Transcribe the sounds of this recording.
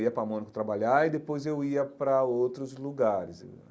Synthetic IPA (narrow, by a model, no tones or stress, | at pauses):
iɐpɾɐmõnɪkʊt̪ɾabaʎaid̪epojzewiɐpɾɐowt̪ɾʊzluɡaɾɪz